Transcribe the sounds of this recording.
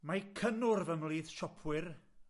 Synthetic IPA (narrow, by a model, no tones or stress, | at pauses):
majkʰənʊrvəmlˠiːðʃɔpʰwɪr